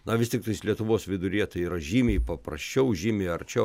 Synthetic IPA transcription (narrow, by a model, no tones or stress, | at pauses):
nɐʋʲɪst̪ʲɪkt̪ɐɪslʲiɛt̪ʊʋoːsʋʲɪd̪ʊɾʲiɛt̪ɐɪiːɾɐʒʲiːmʲeːpɐprɐsʲt͡ʃʲɛʊʒʲiːmʲeːɐrʲt͡ʃʲɛʊ